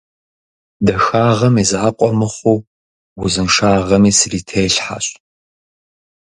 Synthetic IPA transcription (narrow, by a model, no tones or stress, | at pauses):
dɐxaːʁɐmizaːqʷʼɔmɨχʷuː | wʊzɨnʂaːʁɐmiːsriːtʰejɬħa̰ɕ